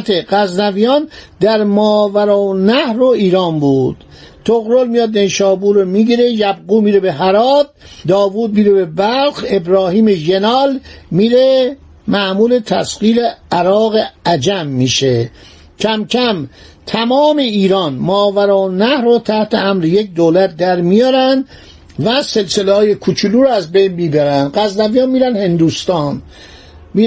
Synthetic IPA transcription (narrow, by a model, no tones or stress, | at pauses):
t̪ʰeɢæznævijɒːnd̪æɾmɒːvæɾɔːnæhɾoiːɾɒːnbuːd̪̥ | t̪ʰoɣɾolmijɒːd̪enʃɒːbuːɾomiɡiɾejæb̚ɣuːmiːɾebeɦæɾɒːd̪̚ː | ɒːvuːd̪̚miːɾebebælxe̞bɾɒːɦiːmeʒe̞nɒːlmiːɾe | mæmuːlet̪ʰæ̰sqiːɾeæɾɒːɣeæd͡ʒæmːiːʃe | cʰæmcʰæm | t̪ʰæmɒːme̞iːɾɒːnmɒːvæɾoːnæhɾɔːt̪ʰæht̪eæmɾejek̚d̪oːlæt̪̚d̪æɾmijɒːɾænd̪ | væse̞lselehɒːje̞kʰut͡ʃʰuluːɾɔæzbejnmiːbæɾænd̪ɢæzd̪ævijɒːnmiːɾænhe̞nd̪uːst̪ɒːn | mi